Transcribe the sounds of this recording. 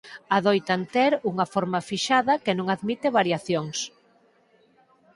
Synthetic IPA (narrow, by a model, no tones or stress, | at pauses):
aðojt̪ant̪ɛɾuŋɐfoɾmɐfiʃaðɐkenõŋaðmit̪eβaɾjaθjoŋs